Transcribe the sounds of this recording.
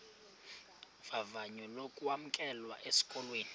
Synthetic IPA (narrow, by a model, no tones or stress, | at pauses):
vavaɲɔlokʼuam̩kʼɛlwaʔesi̥kʼɔlweːni